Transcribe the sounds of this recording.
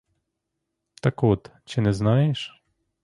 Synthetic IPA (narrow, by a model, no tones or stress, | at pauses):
t̪akut̪t͡ɕɛnɛznajɛʂ